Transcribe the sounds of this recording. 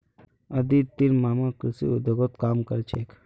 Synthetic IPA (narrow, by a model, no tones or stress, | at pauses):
ɐd̪it̪inmaːmakɾɪsḭud̪əɡot̪kaːmkɐɾt͡ʃʰeːk